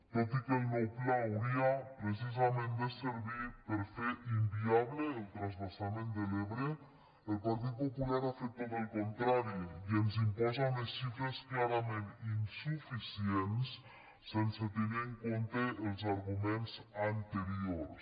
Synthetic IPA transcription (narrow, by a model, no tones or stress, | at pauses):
t̪ɔt̪ikelnoklawɾiapɾes̬izamẽnd̪eseɾβipeɾfeɾʔimbiaβleːlˠt̪ɾanzβasamẽnd̪eleβɾe | elpaɾt̪̬it̪̚populaɾafek̚t̪oðelˠkont̪ɾaɾiienzimpɔzanesʃifɾesklaɾamẽninsufisiensː | enset̪enieŋkont̪eʔːlˠzaɾɣumenzant̪eɾioɾs